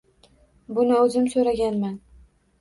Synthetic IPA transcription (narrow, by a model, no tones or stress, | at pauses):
bʊnɪɵzɪmsɵɾaɡʲanman